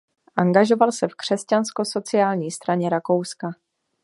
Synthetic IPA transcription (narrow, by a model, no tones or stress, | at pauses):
ʔaŋɡaʒo̞valsɛfkr̝̥ɛscansko̞so̞t͡sɪaːlɲiːst̪ɾaɲɛɾako̞wska